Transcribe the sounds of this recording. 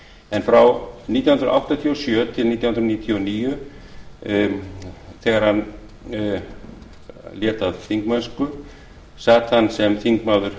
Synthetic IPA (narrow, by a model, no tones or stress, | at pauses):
ɛnfɾawnit̪jawhʏnɾ̰ʔa̰wht̪at̪ʰiɔsjœːt̪ʰɪlniːt̪jwhnɾniːt̪ʰjɔniːjʏ | θɛːɣaɾ̥han | ljɛːt̪aðθiŋkmaðʏskʏ | saːt̪hanːsɛmθiŋkmaːwðʏɾ̥